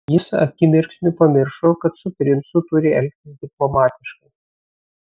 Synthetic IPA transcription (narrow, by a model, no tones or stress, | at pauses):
jɪsɐ̰kʲɪmʲɪɾʲksʲnʲʊpɐmʲɪɾʃoːkɐt̪sʊpʲɾʲɪnsʊt̪ʊɾʲɪɛlʲk̚ʲt̪ʲɪsd̪ʲɪplˠɔmɑːt̪ʲɪʃkɐɪ